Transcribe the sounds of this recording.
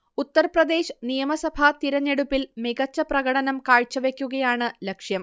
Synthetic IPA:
ut̪ːɐrprɐd̪e̞ːɕɐnijɐmɐsɐbʱɐt̪iɾɐɲːeɽupːilmiɡɐt͡ɕːɐprɐɣɐɽɐnɐmkaːɻt͡ɕːɐʋe̞kʲːuɣɐjaːɳɨlɐkʂjɐm

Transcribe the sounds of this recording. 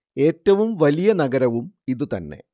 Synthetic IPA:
e̞ːtːɐʋumʋɐlijɐnɐɡɐɾɐʋumiðɨt̪ɐnːe̞̰

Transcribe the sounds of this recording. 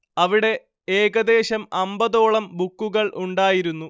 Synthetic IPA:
ɐʋiɽe̞ | eːɡɐd̪e̞ːɕɐmɐmbɐðo̞ːɭɐmbukːuɣɐɭʔuɳɖaːjiɾunːu

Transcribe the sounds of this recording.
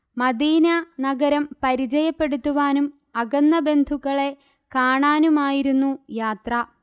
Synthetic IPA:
mɐd̪iːnɐnɐɡɐɾɐmpɐɾid͡ʑɐjɐpːe̞ɽut̪ːuʋaːnum | ɐɡɐnːɐbe̞nd̪ʱuɣɐɭe̞ | kaːɳaːnumaːjiɾunːujaːt̪rɐ

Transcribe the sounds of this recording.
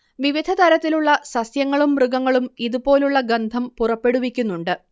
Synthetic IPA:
ʋiʋid̪ʱɐt̪ɐɾɐt̪ːiluɭːɐsɐsjɐŋːɐɭumrɨɡɐŋːɐɭumiðupo̞ːluɭːɐɡend̪ʱɐmpurɐpːe̞ɽuʋikʲːunːuɳɖɨ

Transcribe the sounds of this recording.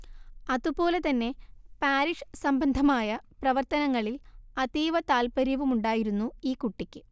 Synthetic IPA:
ɐðupo̞ːle̞t̪ɐnːe̞paːɾiʂsɐmbɐnd̪ʱɐmaːjɐprɐʋɐrt̪ɐnɐŋːɐɭilɐðiːʋɐt̪aːlpɐɾjɐʋumuɳɖaːjiɾunːuiːkuʈːikʲːɨ

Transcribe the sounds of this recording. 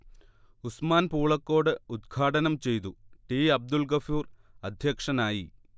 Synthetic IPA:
usmaːnpuːɭɐkːo̞ːɽɨud̪̚ɡʰʱaːʈɐnɐmt͡ɕe̞jt̪uʈiːɐb̚d̪ulkɐfuːrɐd̪ʱjɐkʂɐnaːji

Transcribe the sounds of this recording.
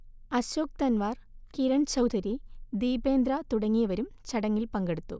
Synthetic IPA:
ɐɕoːk̚t̪ɐnʋaːrkiɾɐɳt͡ɕɐwd̪ʰʱɐɾid̪iːbeːnd̪ɾat̪uɽɐŋːijɐʋɐɾumt͡ɕɐɽɐŋːilpɐŋɡeɽut̪ːu

